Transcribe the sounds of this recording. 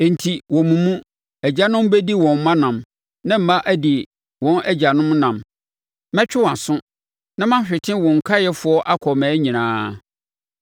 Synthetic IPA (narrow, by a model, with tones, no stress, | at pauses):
ɛ˨n̩˨tʰi˨wɔ̃˨mũ˨mũ˦ | æ˨d͡ʑa˦nʊ̃˦m˦be˦di˦wɔ̃˨m̩˦mã˦nã˨m | nã˦m̩˨mã˦ʔæ˦di˨ | wɔ̃˦nɛ˦d͡ʑa˨nʊ̃˦m˦nã˨m | mɛ̃˦t͡ɕᶣɪ˦wã˨sʊ̃˦ | nã˦mã˦ɕᶣɪ˨tʰɪ̃˦wɔ̃˨ŋ̩˨kʰa˦jɛ˦fʊ˨˦ɔ˦ʔa˦kʰɔ˨mɛ̃ː˨˦ɲĩ˨nãː˦